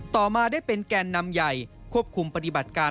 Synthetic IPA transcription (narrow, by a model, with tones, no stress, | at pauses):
t̪ɔː˨˩maː˧daː˥˩jpe˧nkɛː˧nːa˧mja˨˩jkʰu˥˩əp̚kʰu˧mpa˧t̪i˨˩ba˨˩t̪̚kaː˧